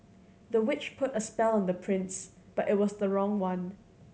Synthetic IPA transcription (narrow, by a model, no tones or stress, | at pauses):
ðəwɪt͡ʃpʰʊtəspɛlˠə̃nðəpʰɹ̥ɪ̃ns | b̥aʔɪt̚wɔsðəɹɔ̃ŋwãn